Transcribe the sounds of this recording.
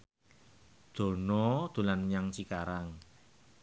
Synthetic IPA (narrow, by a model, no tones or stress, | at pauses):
d̪̥o̤nɔd̪̥o̤lanɲaŋt͡ʃikaɾaŋ